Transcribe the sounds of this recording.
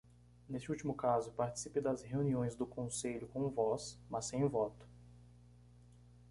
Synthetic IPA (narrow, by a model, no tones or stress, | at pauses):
nesɪut͡ʃimʊkazʊpaɾt͡ʃi̥siped̪ɐzheuniõj̃zd̪ʊkõseʎʊkõw̃vɔsmɐsẽj̃vɔt̪ʊ̥